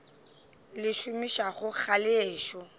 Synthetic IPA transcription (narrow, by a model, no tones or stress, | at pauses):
lɪʃʊmiʃaχʊk͡xʰalɪːʃɔ